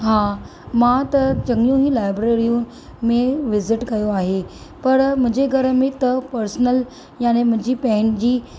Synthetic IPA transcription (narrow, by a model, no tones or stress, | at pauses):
ɦã | mat̪əd͡ʑəŋjũɦiːlajbɾeɾijũn | mẽʋɪzɪʈkɐjoaɦe | pəɾm̤əd͡ʑeɡʱəɾmĩt̪əpəɾsnəl | janem̤əd͡ʑiːpəɦɪnd͡ʑiː